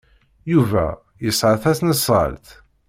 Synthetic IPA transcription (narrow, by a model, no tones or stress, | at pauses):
juvæ̰ | jəsˤʕəθæsnəsˤɑ̰lt̪